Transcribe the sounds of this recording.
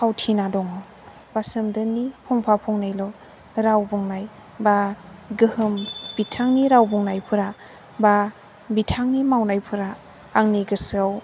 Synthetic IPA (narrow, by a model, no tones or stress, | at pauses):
pʰawtʰinadɔŋɔ | b̥asɯmdɯnipʰɔŋpʰapʰɔŋnajlɔ | ɾawbɔŋnaj | baɡɯhɯmb̥itʰaŋniɾawbɔŋnajpʰɯɾa | ba | bitʰaŋnimawnajpʰɯɾaː | ŋniɡɯsaw